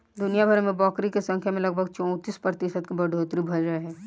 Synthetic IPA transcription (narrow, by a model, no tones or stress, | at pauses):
d̪ʊnijabʱəɾmẽbɔːkɾikesɐ̃ŋkʰjamẽlɐɡ̚bʱəɡt͡ʃɔ̃ːt̪iːspɾət̪ɪʃət̪kebɐɖʱoːt̪ɾibʱɐd͡ʒɾəeɦɛː